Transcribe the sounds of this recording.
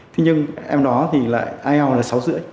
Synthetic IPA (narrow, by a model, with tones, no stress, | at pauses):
t̪ʰi˨˦ɲɨ˧ŋʔɛ˧mɗɔ˨˦t̪ʰi˨˩la̰ː˧˨jʔaː˧jha˧wlaː˨˩sa˨˦wzɨ̰˧˥ə